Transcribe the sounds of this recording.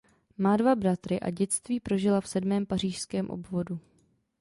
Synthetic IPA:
maːdvabɾat̪ɾɪʔa̰ɟɛt͡st̪viːpɾo̞ʒɪlafsɛdmɛːmpar̝iːʃskɛːmʔo̰bvo̞du

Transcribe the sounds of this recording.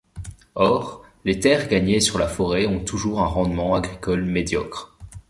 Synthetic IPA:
ɔʁlet̪ɛʁɡaɲesyʁlafɔʁeɔ̃t̪uʒuʁɛ̃ʁɑ̃d̪mɑ̃aɡʁikɔlmed̪jɔkχ

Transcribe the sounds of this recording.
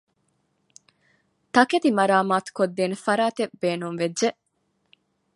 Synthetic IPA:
t̪ɐket̪imɐɾaːmaːt̪u̥kod̪ːeːnefɐɾaːt̪ebeːnumʋedʒe

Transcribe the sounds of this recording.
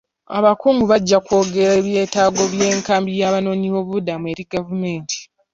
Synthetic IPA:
a̰βakuːŋɡuβaɟːako̞ːɡe̞ɾe̞ːβje̞ːtaːɡo̞βje̞ːŋkaːmbijaːβano̞ːɲiβo̞βudamue̞ːɾiɡavume̞ːntʰi̥

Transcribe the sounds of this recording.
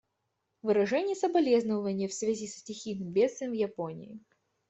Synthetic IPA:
vɨɾɐʐɛnʲɪjəsəbɐlʲeznəvənʲɪjəfsvʲɛzʲissʲtʲɪxʲijnɨmbʲet̪st̪vʲɪjmvjɐponʲɪ̰ɪ

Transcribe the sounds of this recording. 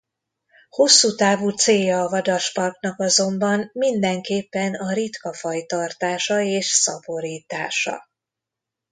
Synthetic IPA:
ho̞sːuːt̪aːvuːt̪seːjɒːvɒd̪ɒʃpɒrknɒkɒzo̞mbɒnmind̪ɛŋkeːpːɛnɒɾit̪kɒfɒjt̪ɒrt̪aːʃɒeːʃsɒbo̞ɾiːt̪aːʃɒ̰

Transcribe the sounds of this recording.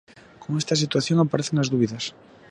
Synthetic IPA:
koŋest̪ɐs̬it̪waθjoŋapaɾeθeŋazðuβiðɐs

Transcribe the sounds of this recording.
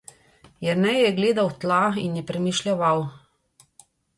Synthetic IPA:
jɛɾnɛjjɛɡleːd̪awt̪lainjɛpɾɛmiʃlʲɛʋaw

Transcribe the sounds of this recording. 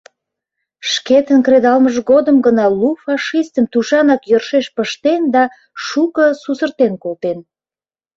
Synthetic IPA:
ʃket̪ənkred̪ɑlməʒɡod̪əmɡənɑlufɑʃist̪əmt̪uʃɑnɑkjərʃeʃpəʃt̪end̪ɑ | ʃukəsusərt̪enkolt̪en

